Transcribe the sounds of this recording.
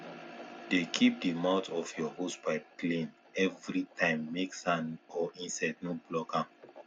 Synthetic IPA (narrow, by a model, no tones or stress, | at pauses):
dekʰip̚dimaʊtɔfjɔhosbaɪplẽn | ɛvɹitʰãɪ̃mːeksãnɔĩnsad̚noblɔkãm